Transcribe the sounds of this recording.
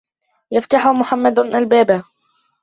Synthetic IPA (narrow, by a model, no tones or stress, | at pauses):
jaft̪aħʊmʊħamːad̪ʔalbaːba